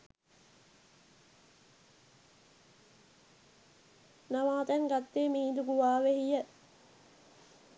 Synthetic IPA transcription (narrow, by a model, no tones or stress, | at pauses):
namaːt̪æŋɡat̪ːeːmiːd̪ukuʋaːʋehijə